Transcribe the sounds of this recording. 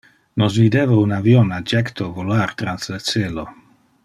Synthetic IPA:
nos̬vid̪eːvaunavjonad͡ʒɛkt̪ʰovolaɾt̪ɾanslet͡seːlo

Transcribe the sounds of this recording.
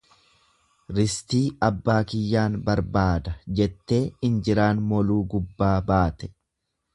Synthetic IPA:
ɾɪst̪iːɐbːaːkɪjːaːnbɐɾbaːd̪ɐd͡ʒɛt̪ːe̞ːɪnd͡ʒɪɾaːnmɔluːɡʊbːaːbaːt̪ɛ̥

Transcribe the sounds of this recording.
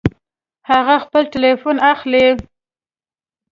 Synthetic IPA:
haɣaxpəlʈɪlefonaxle

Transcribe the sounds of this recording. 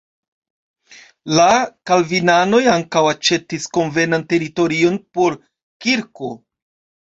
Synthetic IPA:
lakalvinano̞jaŋkawat͡ʃe̞tisko̞nve̞nante̞ɾito̞ɾio̞npo̞ɾ | kiɾko̞

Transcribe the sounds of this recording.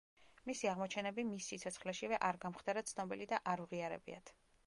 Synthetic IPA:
misiaʁmɔt͡ʃʰɛnɛbimisːit̪sʰɔt̪sχlɛʃivɛʔaɾɡamχd̪aɾat̪sʰnɔbilid̪aʔaɾuʁiaɾɛ̰bḭa̰t̪ʰ

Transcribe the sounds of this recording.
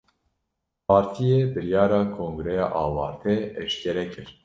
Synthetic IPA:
pʰɑːɾt̪ʰijeːbɨɾjɑːɾɑːkʰoːŋɡɨɾɛjɑːʔɑːwɑ̰ːɾt̪ʰɛɛʃkʰɛɾɛkʰɨɾ

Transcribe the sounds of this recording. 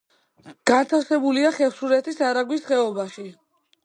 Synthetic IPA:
ɡ̥ant̪ʰaɾsɛbuliaχɛfsuɾɛt̪ʰisaɾaɡwisχɛɔbaʃi

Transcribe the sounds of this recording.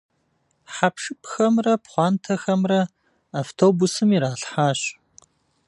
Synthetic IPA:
ħapʂɨpxɐmrɐpχʷɑːntʰɐxɐmrɐ | aːftʰoːbusɨmiɾaːɬħaːɕ

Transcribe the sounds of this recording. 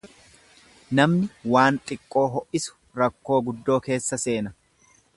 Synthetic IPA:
nɐmnɪwaːnt̪ʼɪkʼːo̞ːɦɔʔɪsʊ̥ | ɾɐkːo̞ːɡʊd̪ːo̞ːke̞ːsːɐse̞ːnɐ

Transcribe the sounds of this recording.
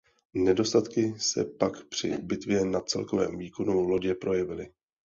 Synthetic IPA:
nɛdo̞st̪at̪kɪsɛ̰pakpr̝̥ɪ̰bɪt̪vjɛnat͡sɛ̰lko̞vɛ̰ːmviːko̞nulo̞ɟɛpɾo̞jɛvɪlɪ

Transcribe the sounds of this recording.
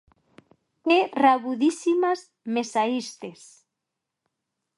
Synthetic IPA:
keraβuðisimaz | mesaist̪es

